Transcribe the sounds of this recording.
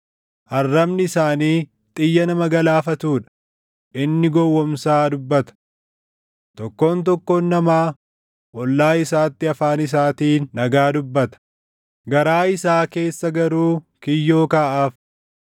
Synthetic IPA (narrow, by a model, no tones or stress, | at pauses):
ʔɐrːɐmnɪɪsaːniː | t̪ʼɪjːɐnɐmɐɡɐlaːfɐt̪uːᶑɐ̥ | ʔɪnːɪɡɔwːɔmsaːd̪ʊbːɐt̪ɐ̥ | t̪ɔkːo̞ːnt̪̬ɔkːoːnːɐmaː | ʔɔlːaːɪsaːt̪ːɪɐfaːnɪs̬aːt̪iːnːɐɡaːd̪ʊbːɐt̪ɐ̥ | ɡɐɾaːɪsaːke̞ːsːɐɡɐɾuː | kɪjːo̞ːkaːʔaːf